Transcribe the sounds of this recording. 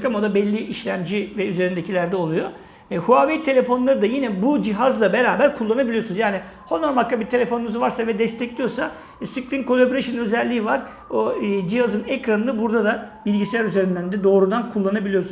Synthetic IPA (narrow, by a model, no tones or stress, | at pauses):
kamod̪abɛlʲːiʔiʃlʲæmd͡ʒivɛyze̞ɾind̪ecʰilʲæɾd̪ɛo̞lˠujo | huavejt̪ʰe̞lʲefo̞nlˠaɾɯd̪ajinɛbud͡ʒiɦazlˠabe̞ɾaːbæɾkʰulˠːanabilʲijo̞sunzjaːni | honːaɾmakːabit̪ʰe̞lʲe̞fo̞nunuzuvaɾsavɛd̪ɛst̪ʰɛclʲijosa | sɯklʲinkʰo̞lʲˠebɾeʃinnø̞zɛlʲːiːvaɾ̥ | od͡ʒihazɯnɛkɾanɯnɯbuɾd̪ad̪abilʲɟiselʲæɾyze̞ɾind̪ænd̪ɛd̪o̞ːɾud̪ankʰulˠːanabilʲijo̞sun